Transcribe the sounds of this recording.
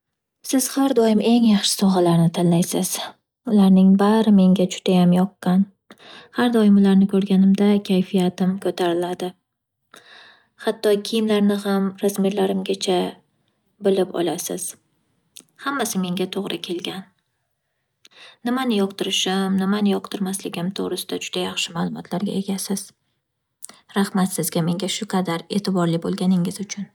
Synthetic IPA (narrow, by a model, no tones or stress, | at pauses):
sɪz̥haɾd̪ɒjɪmʔe̞ŋjɑχʃɪ̥sɒʁɑlaɾnɪt̪ʰanlajsɪz̥ | ʊlaɾnɪŋbaɾɪme̞ŋɡʲad͡ʒʊ̥d̪ajamjɒqːɑn | haɾd̪ɒjɪmʊlaɾnɪkʰɵɾɡʲanɪmd̪akʲʰajfijat̪ʰɪmkʰɵt̪ʰaɾɪlad̪ɪ | hat̪ʰːɒkʲʰɪjɪmlaɾnɪhamɾazmeɾlaɾɪmɡʲat͡ʃʰa | bɪlɪpɒ̰lasɪ̰z̥ | hamːasɪme̞ŋɡʲat̪ʰoʁɾɪkʲʰe̞lɡʲan | ɪmanɪjɒqt̪ɪɾɪʃɪmnɪmanɪjɒqt̪ʰɪɾmaslɪɡʲɪmt̪ʰoʁɾɪsɪ̥d̪ad͡ʒʊd̪ajaχʃɪmaːlˠʊmɒ̰t̪ʰlaɾɡʲa̰e̞ɡʲasɪz̥ | ɾahmat̪sɪzɡʲame̞ŋɡʲaʃʊqʰɑd̪aɾe̞t̪ʰɪbɒɾlɪbolˠɡʲanɪŋɪzʊt͡ʃʰʊn